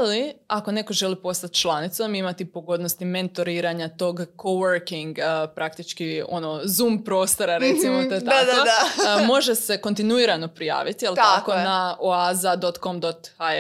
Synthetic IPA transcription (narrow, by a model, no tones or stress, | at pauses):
aliako̞ne̞ko̞ʒe̞lipo̞st̪at̪ʲt͡ʃlˠanit̪somimat̪ipoɡo̞d̪nost̪ime̞nt̪oɾiːɾaɲat̪o̞ɡkoʋəɾkiŋɡpɾak̚t̪it͡ʃkio̞̰nozuːmpɾo̞ːst̪o̞ɾaɾet̪simood̪ad̪amo̞ʒese̞ko̞nt̪inuiɾano̞pɾija̰ːʋit̪ijelt̪akonaoazad̪o̞t̪ko̞md̪ot̪xa